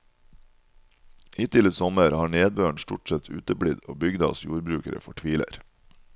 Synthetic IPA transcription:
ʔiːt̪ʰɪləsɔməɾhɑːɳeːd̪̚bøːɳʃt̪ʊʈsɛt̪ʰʉːt̪əbɽɪd̪o̰ːbʏɡd̪ɑ̰ɔsjuːɾbɾʉːkəɾə̰fɔʈʰʋiːlə̰ɾ

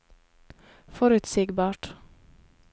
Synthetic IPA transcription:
fɔɾʉt̪siːɡbɑːʈ

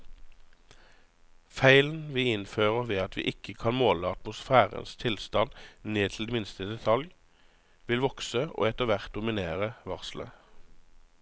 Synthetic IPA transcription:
fæɪln̩ʋiːɪnføːʁəʋeːɑt̪ʰʋḭːʔɪkʰəkʰɑnmoːləɑt̪mʊsfæːʁə̰nst̪ʰɪlst̪ɑnneːt̪ʰl̩d̪eːmɪnst̪əd̪ɛt̪ʰɑlj | ʋɪlʋɔksəʔo̰ːɛt̪əʋæʁt̪̚d̪ʊmɪneːʁəʋɑʁslə̰

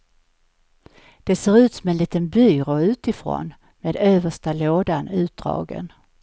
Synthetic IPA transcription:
d̪̥ɛseːɾʉ̟ːt̪sɔmɛnliːt̪ənbyːɾʊʉ̟ːt̪ɪfɾo̰n | meːd̪øːvəʂʈaloːd̪anʉ̟ːt̪̚d̪̥ɾɑ̰ːɡə̰n

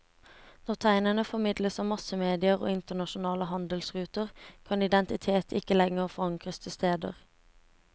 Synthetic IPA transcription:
nɔʁt̪ʰæɪnənəfɔmɪd̪ləsɑːmɑsəmeːd̪ɪəʁo̰ːɪnt̪ənɑʃʊnɑːləhɑnd̪əlsʁʉːt̪əʁkʰɑnɪd̪ɛnt̪ɪt̪ʰeːt̪ʰɪkəlɛŋəʁfɔʁɑŋkʁəst̪ʰəst̪eːd̪ə̰ʁ

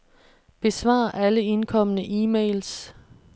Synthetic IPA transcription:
b̥e̝sʋɑ̰̈ːʔæləe̝nkʰɒ̽m̰ənəʔiːmḛɪls

